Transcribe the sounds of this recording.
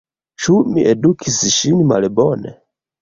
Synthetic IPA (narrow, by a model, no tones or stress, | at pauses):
ʃumiʔɛdukʰisiʃinima̰lɛbɔnɛ̰